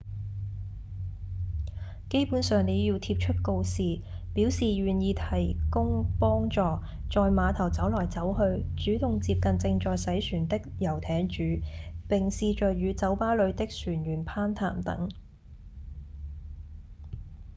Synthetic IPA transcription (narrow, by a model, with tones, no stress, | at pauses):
ke˥jpuː˨˥nsœː˨ŋne˨˧jiː˧wt̪ʰiː˧p̚t͡ʃʰɵ˥t̚ko˧wsiː˨ | piː˨˥wsiː˨ɥyː˨˩njiː˨˧t̪ʰɐ˨˩jkʊ˥ŋpɔː˥ŋt͡ʃɔː˨˧ | t͡ʃɔː˧jmaː˨˧t̪ʰɐ˨˩wt͡sɐ˨˥wlɔː˨˩jt͡sɐ˨˥wɦɵ˧ɥt͡ʃyː˨˥t̪ʊ˨ŋt͡siː˧p̚kɐ˨nt͡sɪ˧ŋt͡sɔː˨˧jsɐ˨˥jsyː˨˩nt̪ɪ˥k̚jɐ˨˩wt̪ʰɛː˨˥ŋt͡ʃyː˨˥pɪ˨ŋsiː˨˧t͡ʃɵ˨jyː˨˧t͡sɐ˨˥wpaː˥lɵ˨˧ɥt̪ɪ˥k̚syː˨˩njyː˨˩npʰaː˥nt̪ʰa̰ː˨˩mt̪ɐ̰˨˥ŋ